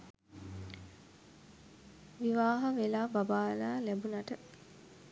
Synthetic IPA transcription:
ʋiʋaːɦɐʋelaːbabaːlaːlæbunaʈə

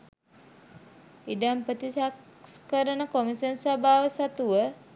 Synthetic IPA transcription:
iɖampət̪isak | skəɾənəkomisənsabʱaːʋəsat̪uʋə

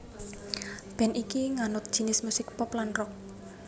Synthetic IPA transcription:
b̥ɛ̤nikiŋanʊt̪̚d̥ʒ̥i̤nɪsmusɪk̚pɔplanrɔk̚

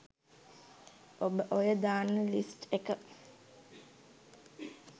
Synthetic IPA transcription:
ʔobəʔojəd̪aːnːəlisʈekə

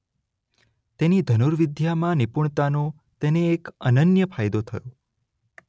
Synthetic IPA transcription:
t̪enid̪ʱənuɾʋɪd̪ʱjamãnipuɳ̃t̪anõ | t̪eneːkənənjəpʰajd̪ot̪ʰəjõ

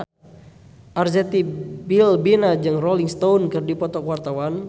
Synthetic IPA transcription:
ʔarzɛt̪ibilbinad͡ʒɨŋrɔliŋst̪aunkɨrdipɔt̪ɔkuwart̪awan

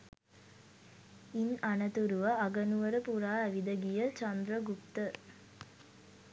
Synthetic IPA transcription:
inanət̪uɾuʋəaɡənuʋəɾəpuɾaːæʋid̪əɡijət͡ʃand̪ɾəɡup̚t̪ə

